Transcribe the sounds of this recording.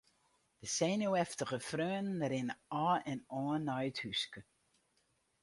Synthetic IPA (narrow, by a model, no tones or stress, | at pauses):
d̥əsɛnjowɛftəɣəfrøːnnəɾɪnɔːɛnɔːənːœɥthyskə